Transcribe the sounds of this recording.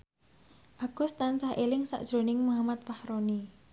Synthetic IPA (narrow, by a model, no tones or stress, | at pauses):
ʔaɡ̥ʊ̤st̪ant͡ʃahʔelɪŋsa̰ʔd̥ʒ̥ɾo̤nɪŋmuɦamat̪̚pahɾoni